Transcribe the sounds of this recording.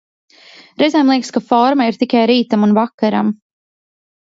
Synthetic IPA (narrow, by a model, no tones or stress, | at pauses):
ɾɛzɛjmlˠiɛkskafɔɾmaiɾt̪ikʲajɾiːt̪amunvakːaɾa̰m